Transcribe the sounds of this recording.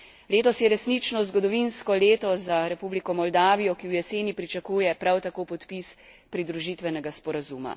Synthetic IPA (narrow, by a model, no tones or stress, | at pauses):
leːt̪ɔsjɛɾɛsnit͡ʃnɔzɡɔd̪ɔʋinskɔleːt̪ɔzaɾɛpublikɔmɔld̪aːʋijɔkiwjɛseːnipɾit͡ʃakuːjɛpɾawt̪akoːpɔt̪pis | pɾid̪ɾuʒit̪ʋɛnɛɡaspɔɾazuːma̰